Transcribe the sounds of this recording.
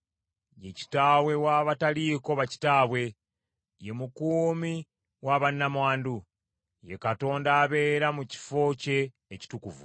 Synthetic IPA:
je̞ci̥taːwe̞waːβataliːko̞βaci̥taβwe̞ | je̞mukuːmi | waːβanːamwaːndu | je̞kato̞ːndaːβe̞ːɾamuci̥fo̞ce̞ː | ci̥tukuvṵ

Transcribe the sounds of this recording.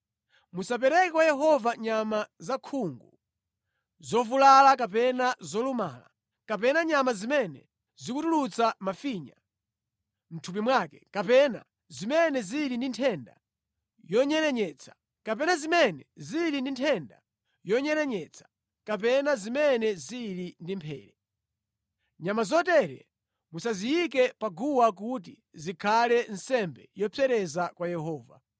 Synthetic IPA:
musap̬ɛɾɛkɛkwajɛɦɔvaɲamazakʰuŋɡu | zɔvulalakapɛnazɔluma̰ːla̰ | kapɛnaɲamazimɛnɛ̰ | zikutulut͡samafiɲa | m̩tʰup̬imwaːkɛ̥kapɛna̰ | zimɛnɛziɾindintʰɛnda̰ | jɔɲɛɾɛɲɛt͡sʰḁ | kapɛnazimɛnɛziɾindintʰɛnda̰ | jɔɲɛɾɛɲɛt͡sʰḁ | kap̬ɛnazimɛnɛziɾindimpʰɛ̰ːɾɛ | ɲamazɔtɛɾɛ̰ | musazijik̬ɛpaɡuwak̬ut̬i | zikʰalɛn̩sɛmbɛ̰jɔpʰɛɾɛzakwajɛɦɔːva̰

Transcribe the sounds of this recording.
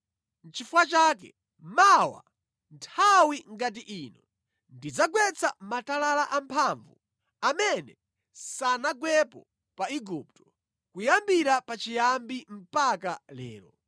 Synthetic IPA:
n̩t͡ʃifuwat͡ʃaːkɛ̰ | mawa̰ | ntʰawiŋɡat̬iʔiːnɔ | ndid͡zaɡwɛt͡sʰamatalalaʔampʰaɱvṵ | amɛnɛ | sanaɡwɛpɔ | paiɡup̚tɔ̥ | kujambiɾapat͡ʃijambim̩pakalɛ̰ːɾɔ

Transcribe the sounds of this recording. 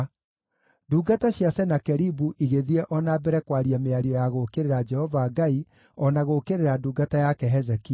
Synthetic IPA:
duːɡataɕjasɛnakɛɾibuʔiɣeðiɛʔɔnaːbɛɾɛkwaɾiameaɾiɔjaɣokeɾeɾad͡ʒɛhɔvaɡai | ɔnaɣokeɾeɾaduːɡatajakɛɦɛzɛki

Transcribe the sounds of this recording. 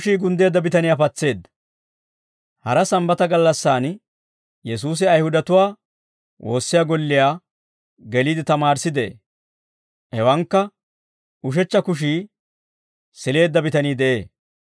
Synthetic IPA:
ʃiːɡʊnd̪e̞ːd̪ːɐbɪt̪ɐnɪjaːpɐt͡sːe̞ːd̪ːɐ | hɐɾɐsɐmbɐt̪ɐɡɐlːɐsːaːn | jɛs̬uːs̬ɪɐjhʊd̪ɐt̪ʊwaː | wʔo̞̰ːsːɪjaːɡɔlːɪjaː | ɡɛliːd̪ɪt̪ɐmaːɾsɪd̪e | hɛwɐŋkːɐ | ʔʊʃ̬ɛt͡ʃːɐkʊʃ̬iː | sɪle̞ːd̪ːɐbɪt̪ɐniːd̪ɛʔe̞ː

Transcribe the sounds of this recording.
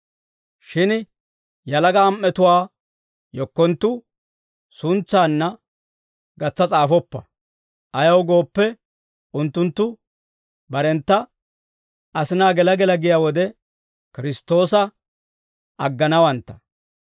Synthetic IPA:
ʃɪn | jɐlɐɡɐːmʔːɛt̪ʊwaː | jɔkːɔnt̪ːʊ | sʊnt͡sːaːnːɐ | ɡɐt͡sːɐt͡sʼaːfɔpːɐ | ʔɐjɐwɡo̞ːpːɛ | ʊnt̪ːʊnt̪ːʊ | bɐɾɛnt̪ːɐ | ʔɐsɪnaːɡɛlɐɡɛlɐɡɪjaːwɔd̪ɛ | kɪɾɪst̪o̞ːsɐ | ɐɡːɐnɐwɐnt̪ːɐ̥

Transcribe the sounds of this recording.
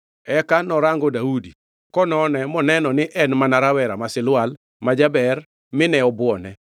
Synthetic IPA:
ɛkanɔɾaŋɡɔdaudi | kɔnɔnɛmɔnɛnɔnɪʔɛnmanaɾawɛɾamasɪlwal | mad͡ʒabɛr | mɪnɛɔbwɔnɛ

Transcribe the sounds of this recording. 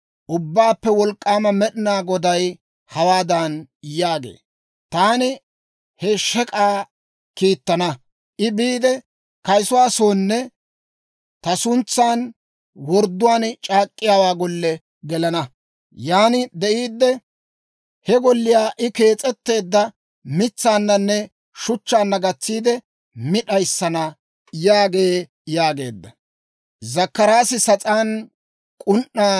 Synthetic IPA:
ʔʊbːaːpːɛwɔlkʼːaːmɐmɛɗɪnaːɡɔd̪ɐj | hɐwaːd̪ɐnjaːɡḛː | t̪aːnɪ | hɛʃɛkʼaː | kiːt̪ːɐnɐ | ʔɪbiːd̪ɛ | kɐjsʊwaːsoːnːɛ | t̪ɐsʊnt͡sːaːn | wɔɾd̪ːʊwaːnt͡ʃʼaːkʼːɪjaːwaːɡɔlːɛ | ɡɛlɐnɐ | jaːnɪd̪ɛʔiːd̪ːɛ | hɛɡɔlːɪjaːʔɪke̞ːt͡sʼɛt̪ːe̞ːd̪ːɐ | mɪt͡sːaːnːɐnːɛ | ʃʊt͡ʃːaːnːɐɡɐt͡sːiːd̪ɛ | mɪɗɐjsːɐnɐ | jaːɡe̞ː | jaːɡe̞̰ːd̪ːɐ | zɐkːɐɾaːsɪsɐt͡sʼaːn | kʼʊnʔːaː

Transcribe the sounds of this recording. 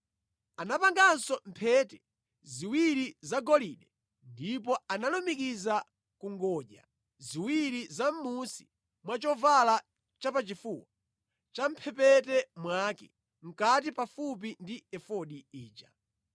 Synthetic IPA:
anapaŋɡansɔm̩pʰɛtɛ | ziwiɾizaɡɔliɗɛ | ndip̬ɔanalumikiza | kuŋɡɔʄa̰ | ziwiɾizam̩musi̥ | mwat͡ʃɔvala | t͡ʃapat͡ʃifuːwa | t͡ʃam̩pʰɛpɛtɛmwakɛ̰ | m̩kat̬ipafup̬indiɛfɔɗiiːt͡ʃa

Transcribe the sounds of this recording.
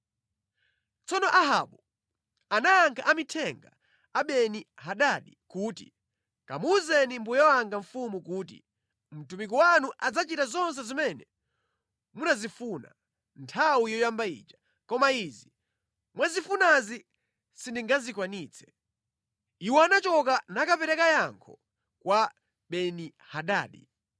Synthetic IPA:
t͡sɔnɔʔaɦa̰ɓu | anaːŋkʰaʔamitʰɛŋɡa̰ | aɓɛniɦaɗaɗikuːtḭ | ka̰muzɛnimbujɔwaŋɡaɱ̩fumukuːt̬ḭ | m̩tumik̬ɔwanuʔad͡zat͡ʃitazɔns̬ɛzimɛnɛ | munazifuːna̰ | ntʰawijɔjambaḭːt͡ʃḁ | kɔmaizi | mwazifunazi | sindiŋɡazikwaniːt͡sʰɛ̥ | iwɔanat͡ʃɔk̬anakapɛɾɛkajaŋkʰɔ̰ | kwa | ɓɛni | haɗa̰ːɗḭ

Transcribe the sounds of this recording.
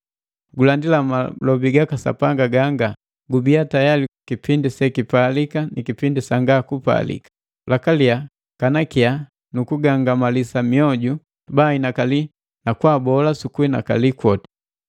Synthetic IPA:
ɡulandilamalɔbiɡakasa̰paŋɡaɡaŋɡa | ɡubiatajalikipindisɛkipalikanikipindisaŋɡakupa̰lḭkḁ | lakalia | kanakia | nukuɡaŋɡamalisamiɔɟu | bainakali | nakwaːbɔlasukuina̰ka̰likwɔtḁ

